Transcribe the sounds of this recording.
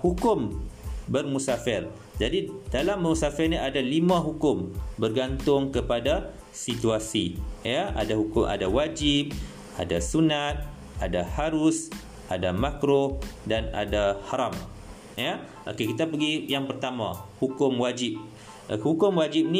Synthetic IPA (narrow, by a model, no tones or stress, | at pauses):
hukʊmbərmusafɛl | d͡ʒadid̥alambərmusafɛlniadalimãɦukʊmbərɡant̪ʊŋkəpada | sit̪uasijəa̰dahukʊmʔa̰dawad͡ʒip̚ | a̰dasunat̪̚ | adahaɾus | ʔadamakɾodana̰dahaɾam | ja | ʔo̰kekit̪apəɡijaŋpərt̪amã̰hukʊmwad͡ʒip̚ | hukʊmwad͡ʒip̚ni